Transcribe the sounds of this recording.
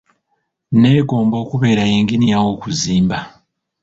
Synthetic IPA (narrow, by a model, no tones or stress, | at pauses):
ne̞ːɡo̞ːmbo̞ːkuβe̞ːɾajeːŋɡinijawo̞ːkuziːmba